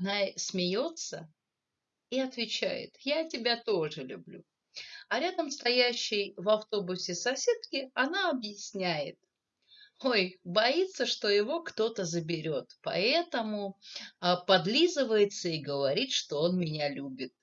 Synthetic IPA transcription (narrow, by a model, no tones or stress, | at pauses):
ɐnasʲmʲɪjo̞t̪sə | iɐt̪vʲɪt͡ɕæ̰jɪ̰t̪jatʲɪbʲat̪o̞ʐɨlʲʊ̰blʲṵ | ɐɾʲad̪əmst̪ɐjæɕːɪjvɐft̪o̞bʊsʲɪsɐsʲet̪̚kʲɪɐnaɐbjɪsʲnʲæjɪ̰t̪ | o̞jbɐit̪sːəʂt̪o̞jɪvo̞kt̪o̞t̪əzəbʲɪɾʲo̞t̪pɐ̰ɛt̪əmʊ | pɐd̪lʲizɨvəjɪt̪səiɡəvɐɾʲit̪ʂt̪o̞o̞nmʲɪnʲalʲubʲɪt̪̚